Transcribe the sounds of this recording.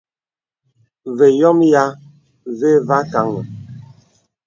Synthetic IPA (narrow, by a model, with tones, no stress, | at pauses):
ve˨jɔ˦mja˦ | ve˦va˦ka˨˦ŋə˨